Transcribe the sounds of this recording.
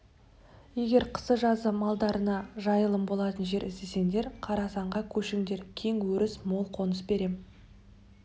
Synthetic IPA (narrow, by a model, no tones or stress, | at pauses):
je̞ɡʲe̞ɾqʰə̥səʒɑzəmɑlˠd̪ɑɾənɑʒɑjəlˠəmbo̞lˠɑt̪ənʒe̞ɾɪsd̪e̞se̞ŋd̪e̞ɾqʰɑɾɑsɑɴʁɑkʲʰɵʃɪŋd̪e̞ɾkʲʰe̞ŋwɵɾɪsmo̞lˠqʰo̞nəsbe̞ɾe̞m